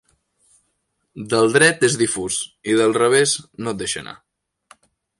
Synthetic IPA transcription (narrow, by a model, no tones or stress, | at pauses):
d̪əlˠd̪ɾɛt̪ezðifuziðəlˠrəβ̞eznot̪̚d̪eʃə̰na̰